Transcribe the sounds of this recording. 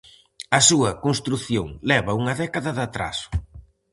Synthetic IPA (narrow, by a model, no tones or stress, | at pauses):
ɐsuɐkonst̪ɾuθjoŋlɛβɐuŋɐðɛkɐðɐðat̪ɾa̰sʊ̥